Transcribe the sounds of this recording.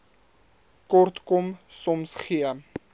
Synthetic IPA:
kɔrt̪kɔmsɔmsχiə

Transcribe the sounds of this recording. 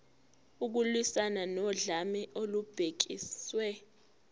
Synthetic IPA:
uk̬ulwisananɔɮamɛʔolub̥ʱek̬iswɛ

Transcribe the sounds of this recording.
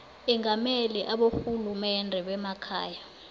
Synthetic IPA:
ɛŋamɛliʔaɓoxulumɛndʱɛɓɛmakʰa̰ːja

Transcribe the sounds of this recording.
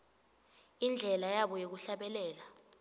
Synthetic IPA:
ind͡ɮʱɛlajaɓɔjek̬uɬaɓɛlɛːla

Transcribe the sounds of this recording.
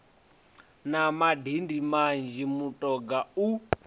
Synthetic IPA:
namadindimand͡ʒimutʼɔɡau

